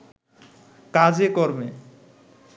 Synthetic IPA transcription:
kad͡ʑekɔɾme

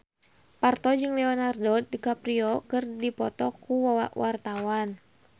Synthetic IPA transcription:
part̪ɔd͡ʒɨŋlɛɔnardɔdikapɾiɔkɨrdipɔt̪ɔkuwwʔart̪awan

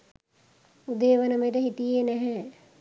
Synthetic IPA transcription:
ud̪eːʋənəməjeʈ̬əɦit̪ijenɛɦɛ

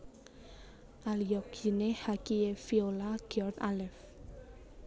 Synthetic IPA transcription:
ʔalijɔkinehakiefiolaɡ̥iɔrt̪alɛf

